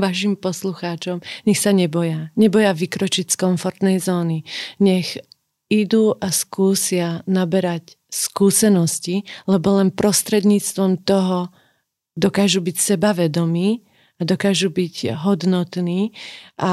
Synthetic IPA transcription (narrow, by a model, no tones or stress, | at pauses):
ʋaʃimpɔsluxaːt͡ʃɔmɲɛxsaɲɛbɔjaɲɛbɔjaʋikɾɔt͡ʃicskɔɱfɔɾt̪nɛjzɔːniɲɛx | id̪uːʔaskuːsɪanabɛɾac | skuːsɛnɔscilɛbɔlɛnpɾɔst̪ɾɛd̪ɲiːt͡st̪ʋɔmt̪ɔɦɔ | d̪ɔkaːʒubicsɛbaʋɛd̪ɔmiː | ad̪ɔkaːʒubiɟɦɔd̪nɔt̪niːʔa